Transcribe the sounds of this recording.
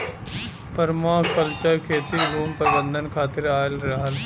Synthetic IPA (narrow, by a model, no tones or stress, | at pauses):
pəɾmaːkəlt͡ʃəkʰeːt̪iɾuːmpəɾɪbə̃nd̪ʱənkʰaːt̪ɪɾaːəlɾɐɦəl